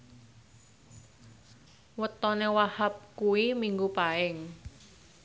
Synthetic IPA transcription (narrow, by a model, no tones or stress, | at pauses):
wət̪ɔnewahap̚kuwimiŋɡupaɪŋ